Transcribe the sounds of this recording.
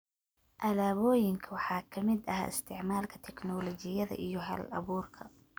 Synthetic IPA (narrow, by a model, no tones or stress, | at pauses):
ʔɐlaːβɔːjɪŋkʰɐwɑħɑːkʰɐmɪd̪ɐɦa̰ːɪst̪ʰɪʕmaːlkʰɐt̪ʰɛknɔlɔt͡ʃɪjɐðɐ̰ʔijɔɦɐ̰lɐ̰βuːrkʰɐ